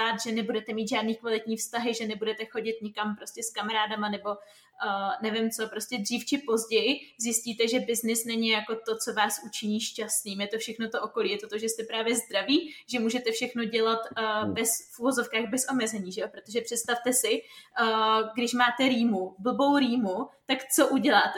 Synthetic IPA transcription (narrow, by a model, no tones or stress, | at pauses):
aːt̪ʒɛnɛbudɛt̪ɛmiːt̪ʒaːdniːkvalɪt̪ɲiːfst̪aɦɪʒɛnɛbudɛt̪ɛxo̞ɟɪt̪ɲɪkampɾo̞scɛskamaɾaːdamanɛbo̞ | nɛvɪmt͡so̞pɾo̞scɛdr̝iːft͡ʃɪpo̞zɟɛjɪzjɪsciːt̪ɛʒɛbɪznɪsnɛɲɪjako̞t̪o̞t͡so̞vaːsʔut͡ʃɪɲiːʃcast̪niːmjɛt̪o̞fʃɛxno̞t̪o̞ʔoko̞liːjɛt̪o̞t̪o̞ʒɛst̪ɛpɾaːvjɛzd̪ɾaviːʒɛmuːʒɛt̪ɛfʃɛxno̞ɟɛlat̪ːbɛsfʔuvo̞zo̞fkaːɣbɛsʔo̞mɛzɛɲiːʒɛopɾot̪o̞ʒɛpr̝̥ɛt̪st̪aft̪ɛsɪ | ɡdɪʃmaːt̪ɛɾiːmubl̩bo̞wɾiːmut̪akt͡so̞ʔuɟɛlaːt̪ɛ